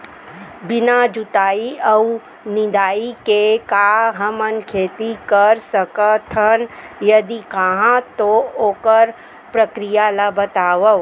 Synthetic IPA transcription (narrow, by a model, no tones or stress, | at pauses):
bɪnad͡ʒut̪aːiɐu | nɪ̃d̪aːikekaɦɐmənkʰeːt̪ikɐəɾsəkət̪ʰənjɐd̪ikəɦãt̪ooːkəɾ | pɾəkɾijalabət̪aːʋə